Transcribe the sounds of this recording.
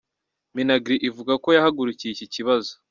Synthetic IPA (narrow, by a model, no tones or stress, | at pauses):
minaɡɾiʔivuɡako̞jahaɡuɾucijiciciβazo